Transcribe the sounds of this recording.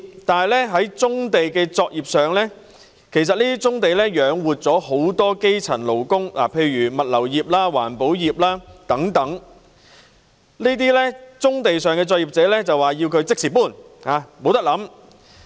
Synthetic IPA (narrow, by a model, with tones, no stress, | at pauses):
t̪aː˨nɦɐ˨˩jlɛː˥ɦɐ˨˥jt͡sʊ˥ŋt̪e˨jkɛː˧t͡sɔː˧k̚jiː˨p̚sœː˨˩ŋlɛː˥ | kʰe˨˩s̬ɐ˨t̚niː˥t̪i˥t͡sʊ˥ŋt̪e˨jlɛː˥jœː˨˥ŋwuː˨t̚t͡sɔː˨˥ho˨˥wt̪ɔː˥ke˥jt͡sʰɐ˨˩nlo˨˩wkʊ˥ŋlʔa̰˨˩pʰe˧jɥyː˨˩mɐ˨t̚lɐ˨˩wjiː˨p̚laː˥wa̰ː˨˩npo˨˥wjiː˨p̚laː˥t̪ɐ˨˥ŋt̪ɐ˨˥ŋ | niː˥t̪iː˥lɛː˥t͡sʊ˥ŋt̪e˨jsœː˨ŋkɛː˧t͡sɔː˧k̚jiː˨p̚t͡sɛː˨˥lɛː˥t͡sɐ˨waː˨jiː˧wkʰɵ˨˧ɥt͡sɪ˥k̚siː˨˩puː˥˩n | haː˨˧mo˨˧wt̪ɐ˥k̚lɐ˨˥m